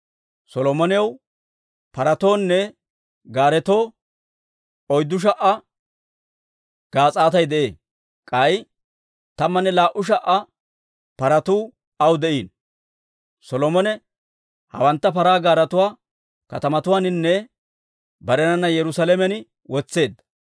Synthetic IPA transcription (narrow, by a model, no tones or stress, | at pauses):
sɔlɔmɔnɪɐw | pɐɾɐt̪o̞ːnːɛ | ɡaːɾɛt̪o̞ː | ɔjd̪ːʊʃ̬ɐʔɐ | ɡ̥aːt͡sʼaːt̪ɐjd̪ɛʔeː | kʼɐj | t̪ɐmːɐnːɛlaːʔʊʃ̬ɐʔɐ | pɐɾɐt̪uː | ɐwd̪ɛʔiːn | sɔlɔmɔnɛ | hɐ̰wɐnt̪ːɐpɐɾaːɡaːɾɐt̪ʊwaː | kɐ̰t̪ɐmɐt̪ʊwaːnɪnːɛ | bɐɾɛnɐnːɐjɛɾʊsalemɛnɪ | wɔt͡sːe̞ːd̪ːɐ̥